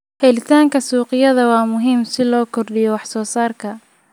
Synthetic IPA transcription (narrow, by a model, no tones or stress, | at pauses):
hɛlɪt̪ʰaːŋkʰɐsuːqɪjɐðɐwɑːmʊɦiːmsɪlɔːkʰɔrɖɪjɔwɑħsɔːsaːrkʰɐ